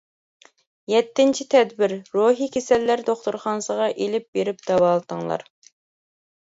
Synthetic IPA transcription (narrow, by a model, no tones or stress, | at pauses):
jɛt̪ːɪnt͡ʃʰit̪ʰɛd̪bɪɾːoɦikʲʰesɛlːæɾd̪oχt̪uɾχɑnsəʁɑʔelɪp̚beɾɪp̚d̪̥ɑwɑːlˠt̪əŋlˠɑ̰ɾ